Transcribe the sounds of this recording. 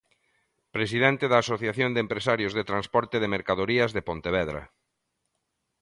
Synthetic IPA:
pɾesiðɛnt̪eðaːsoθjaθjond̪empɾesaɾjozðet̪ɾanspɔɾt̪eðemeɾkaðoɾiɐzðepont̪eβ̞ɛðɾɐ̰

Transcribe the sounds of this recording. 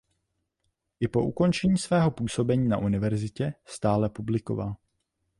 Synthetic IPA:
ʔɪpo̞ʔuko̞nt͡ʃɛɲiːsvɛːɦo̞puːso̞bɛɲiːna̰ʔunɪvɛɾzɪcɛst̪aːlɛpublɪko̞̰val

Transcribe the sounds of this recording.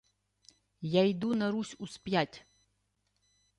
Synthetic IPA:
jajd̪unɐɾusʲuspʲjatʲ

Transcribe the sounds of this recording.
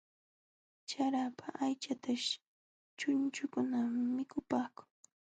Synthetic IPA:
t͡ʃaɾapʰaʔajt͡ʃat̪aʃ | t͡ʃʊnt͡ʃʊkʊnammːɪkʊpaːkʊ̥ŋ

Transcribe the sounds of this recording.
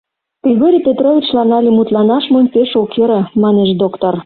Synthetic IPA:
piɣoɾʲipʲet̪rovʲit͡ɕlɑnɑlʲemut̪lɑnɑʃmomʲpeʃokeɾə̆mɑneʃd̪okt̪or

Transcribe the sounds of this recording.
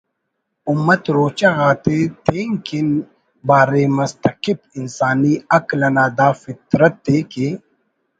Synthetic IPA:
ʊmːɐt̪ɾoːt͡ʃaɣaːt̪et̪ʰeːŋkin | baːɾeːmɐst̪ɐqɪbɪnsaːniːɐklɐnaːd̪aːfɪt̪ɾɐt̪̚d̪eːke

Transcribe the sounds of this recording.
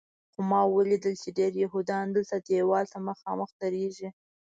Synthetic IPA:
xomɑwəlid̪əlt͡ʃeɖeɾjaɦud̪ɑnd̪əlt̪ad̪ewɑlt̪aməxɑməxd̪əɾeʒi

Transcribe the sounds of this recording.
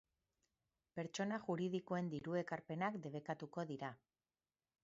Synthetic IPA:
pe̞ɾt͡ʃo̞naʝuɾið̞iko̞e̞nd̪iɾue̞kaɾpe̞nakd̪e̞β̞e̞kat̪uko̞ðiɾa

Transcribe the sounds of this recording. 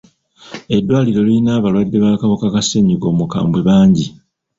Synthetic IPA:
e̞dːwaːliɾo̞liinaːβalwadːe̞βakaβokakaseɲiɡo̞ːmuka̰ːmbwe̞βaːɲɟi

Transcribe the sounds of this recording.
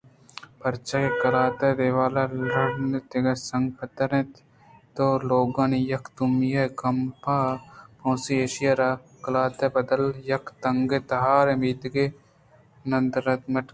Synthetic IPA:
pɐɾt͡ʃakekɐlaːt̪ɐd̪eːʋaːlalɐɽnet̪eɡɐɾsɐŋɡkʰɐt̪ɐɾẽt̪ | t̪oːloːɡãːnijɐkt̪umjɐkɐmpaːpʰõːsieːʃijaɾaːkɐlaːt̪ɐbɐd̪əljɐkʰt̪ɐŋɡet̪ɐɦaːɾemiːd̪ɡe | nɐnd̪ɾɐt̪mɐʈ

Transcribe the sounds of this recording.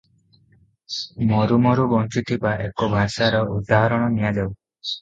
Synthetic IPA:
mɔɾumɔɾubɔnt͡ʃut̪ʰibaʔekɔbʱasaɾɔʔud̪aɦɔɾɔɽ̃ɔnijad̪ew

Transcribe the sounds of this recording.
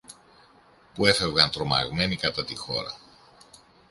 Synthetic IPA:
pue̞fe̞vɣɐnt̪ɾo̞mɐ̰ɣme̞nikɐt̪ɐt̪ixo̞̰ɾɐ̰

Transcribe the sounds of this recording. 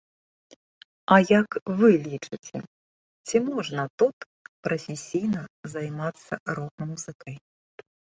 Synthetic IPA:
ɐjɐkvɨlʲit͡ʂɨt͡sʲɛ̰ | t͡sʲimɔʐnɐt̪ut̪ | pɾɐfʲesʲijnɐzajmat̪sːɐɾɔɣmɐmuzɨkɐj

